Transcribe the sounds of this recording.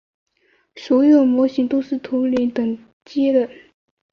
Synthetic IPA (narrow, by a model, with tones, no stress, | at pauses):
sɔ˧˥jo˥˨˩mɔ˧˥ɕi˧˥ŋt̪o˥ʊʂɻ̩˥˩t̪ʰʊ˧˥ŋli˧˥t̪ɤ˨˩ŋ | t͡ɕjɛ˥lə˥˩